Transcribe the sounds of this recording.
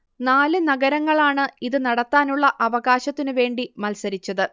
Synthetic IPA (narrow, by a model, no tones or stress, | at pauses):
naːlɨnɐɡɐɾɐŋːɐɭaːɳɨiðɨnɐɽɐt̪ːaːnuɭːɐʔɐʋɐɣaːɕɐt̪ːinɨʋe̞ːɳɖimɐlsɐɾit͡ɕːɐðɨ